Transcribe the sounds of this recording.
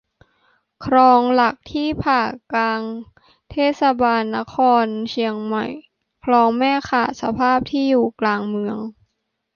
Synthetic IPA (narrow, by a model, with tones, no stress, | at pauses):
kʰɾɔː˧ŋla˨˩k̚t̪ʰiː˥˩pʰaː˨˩klaː˧ŋ | t̪ʰeː˥˩t̪̚sa˧baː˧nːa˦˥kʰɔː˧nt͡ɕʰi˧əŋma̰˨˩j | kʰlɔː˧ŋmɛː˥˩kʰaː˨˩t̚sa˧pʰaː˥˩p̚t̪ʰiː˥˩juː˨˩klaː˧ŋmɯ˧əŋ